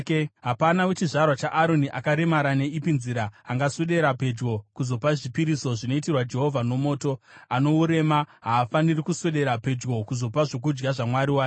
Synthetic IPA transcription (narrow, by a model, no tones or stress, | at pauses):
ɦapanawe̞t͡ʃiʐarwat͡ʃaʔaɾo̞niʔakaɾe̞maɾane̞ipinziɾaːŋɡaseɗe̞ɾape̞d͡ʒɡo̞kuzo̞paʐipiɾiso̞ʐino̞itirwad͡ʒe̞ɦo̞vʱano̞mo̞ːto̞ano̞uɾe̞maɦaːfanirikuseɗe̞ɾape̞d͡ʒɡo̞kuzo̞paʐo̞k̬ud͡ʒɡaʐamwaɾiwaːk